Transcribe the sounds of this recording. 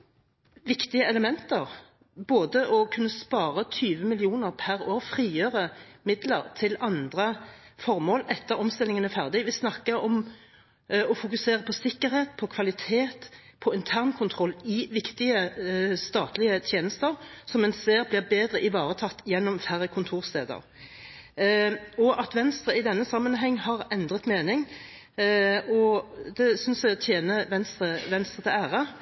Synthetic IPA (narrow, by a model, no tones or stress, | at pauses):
ʋɪkt̪ɪəɛləmɛnt̪əʁ | boːd̪əʔɔkʰʉnːəspɑːɾət̪ʰyːʋəmɪlɪuːnəʁpʰæʁoːfʁiːjøːʁə | mɪd̪ləʁt̪ʰɪlɑnd̪ʁə | fɔʁmoːlɛt̪ːəɾɔmst̪ɪlɪŋənæfæʁd̪ɪʋɪsnɑkːəɔm | ɔfʊkʉseːʁəpʰɔsɪkːəɾheːt̪̚pʰɔkʰʋɑlɪt̪ʰeːt̪ | pʰɔɪnt̪ʰæʁnkʰʊnt̪ʰʁɔlːɪʋɪkt̪ɪəst̪ɑːt̪lɪət̪ʰjeːnəst̪əʁsɔmɛnseːɾblɪbeːd̪ʁəʔɪʋɑːɾət̪ʰɑt̪ːjɛnːɔmfæɾəkʰʊnt̪ʰuːʁst̪ḛːd̪ə̰ʁ | ɔʔɑt̪ʋɛnst̪ʁəɪd̪ɛnːəsɑmːənɦɛŋːhɑʁɛnd̪ʁət̪meːnɪŋ | ɔd̪ɛsʏnsæt̪ʰjeːnəʋɛnst̪ʁəʋɛnst̪ʁət̪ʰɛæːʁə